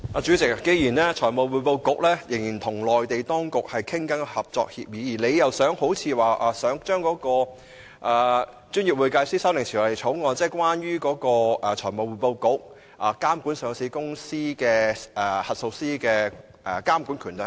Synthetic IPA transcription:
ʔaː˨˧t͡ʃyː˨˥t͡sɪ˨k̚ke˨˧jiː˨˩nɛː˥t͡ʃʰɔː˨˩mo˨˧wwu˨˧po˧wkʊ˨˥k̚lɛː˥jɪ˨˩ŋjiː˨˩nt̪ʰʊ˨˩ŋlɔː˨jt̪e˨jt̪ɔː˥ŋkʊ˨k̚hɐ˨jkʰɪ˥ŋkɐ˨˥nhɐ˨p̚t͡sɔ̰ː˧k̚hḭː˧p̚jiː˨˧˥jiː˨˩le˨˧jjɐ˨wsœː˨˥ŋho˨˧˥wt͡sʰiː˨˧waː˨ʔaː˨˧sœː˨˥ŋt͡ʃœː˥ŋkɔː˨˥kɔː˧ | ʔaː˨ | t͡ʃyː˥njiː˨p̚wuː˨˧jkaː˧jsiː˥sɐ˥wlɪ˨˩t͡sʰi˨˩ɔ˨˩le˨˩jt͡ʃʰo˨˥wŋɔː˨˧nt͡sɛː˥kwaː˥njyː˥kɔː˨˧˥kɔː˧ʔɐ˨t͡ʃʰɔː˨˩jmo˨wu˨˩jpo˧wkʊ˨˥k̚ | ʔaː˨kaː˥mku˨˥nsœː˨˧ŋsiː˨˧˥kʊ˥ŋsiː˥kɛː˧ɛː˨˩hɐ˨t̚so˧wsiː˥kɛː˧ | ʔɛ˨kaː˥mku˨˥nkʰyː˨˩nta˨˧

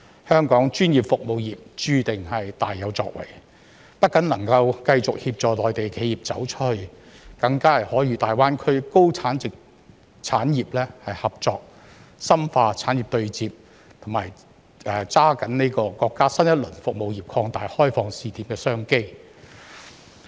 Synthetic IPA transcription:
hœː˥ŋkɔː˨˥ŋt͡ʃyː˥njiː˨˩p̚fʊ˨k̚mo˨˧wjiː˨p̚t͡ʃyː˧t̪ɪ˨˩ŋhɐ˨jt̪aː˨jːɐ˨˧wt͡sɔ̰ː˧k̚wɐ̰˨˩j | pɐ˥t̚kːɐ˨˥nlɐ˨˩ŋkɐ˧wkɐ˧jt͡sʊ˨k̚hiː˧p̚t͡ʃɔː˨˩lɔː˨˩jt̪e˨˩jkʰe˨˧˥jiː˨p̚t͡sɐ̰˨˥wt͡ʃʰh | kɐ˧ŋkaː˥ɐ˨˩jhɔː˨˥jyː˨˧˥t̪aː˨jwaː˥nkʰɵ˥ɥko˥wt͡sʰaː˨˥nt͡sɪ˨k̚ | t͡sʰaː˨˥njiː˨p̚lɛː˥hɐ˨jhɐ˨p̚t͡ʃɔː˧k̚ | sɐ˥mfaː˧t͡sʰaː˨˥nji˨p̚t̪ɵ˧ɥt͡siː˨p̚ | t̪ʰʊ˨˩ma̰ː˨˩j | ʔɛː˨t͡saː˥kɐ˨˥nne˥kɔː˧kɔː˧kːaː˥sɐ˥njɐ˥t̚lɵ˨˩nfʊ˨k̚mo˨˧wjiː˨˩p̚kʰɔː˧ŋt̪aː˨jhɔː˥jfɔː˧ŋsiː˨t̪ʰiː˨˥mkɛː˧sœː˥ŋke˥j

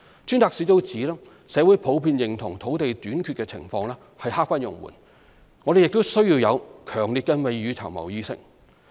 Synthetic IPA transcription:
t͡ʃʰyː˥nt̪aː˨ksiː˨˥t̪o˥wt͡siː˨˥lɛː˥ | sɛː˨˧wu˨˥jpʰo˨˥wpʰiː˧njɪ˨˩ŋt̪ʰʊ˨˩ŋt̪ʰo˨˥wt̪e˨jt̪yː˨˥nkʰyː˧t̚kɛː˧t͡sʰɪ̰˨˩ŋfɔː˧ŋlɛː˥ | hɐ˨jhaː˥k̚fɐ˥njʊ̰˨˩ŋwṵː˨˩n | ŋɔː˨˧ɾe˨jɪ˨k̚t̪o˥wsɵ˥ɥjiː˧wjɐ˨˧wkʰœː˨˩ŋli˨t̚kɛ˧me˨˧jɥyː˨˧t͡sʰɐ̰˨˩wmɐ̰˨˩wjiː˧sɪ̰˥k̚

